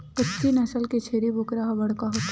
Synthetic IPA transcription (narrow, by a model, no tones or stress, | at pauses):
pʊtːinɐsəlket͡ʃʰeːɾibʱʊkɾaɦabɐɽ̤kaɦot̪